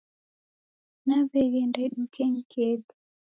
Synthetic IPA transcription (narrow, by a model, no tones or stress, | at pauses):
naβɛɣɛndaɗukɛŋ̩kʰɛtu̥